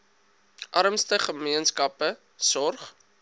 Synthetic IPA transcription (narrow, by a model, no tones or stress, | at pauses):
ʔɐɾəmstəχəmiənskɐpə | sɔrχ